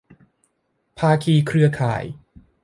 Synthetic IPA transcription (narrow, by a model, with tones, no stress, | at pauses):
pʰaː˧kʰiː˧kʰɾɯ˧ɐkʰa̰ː˨˩˦j